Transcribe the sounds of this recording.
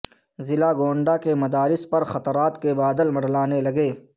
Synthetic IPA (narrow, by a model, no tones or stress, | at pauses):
zɪlaɡoːɳɖakemɐd̪aːɾɪspɐɾxɐt̪ɾaːt̪kebaːd̪əlmɐɽ̤laːnelɐɡeː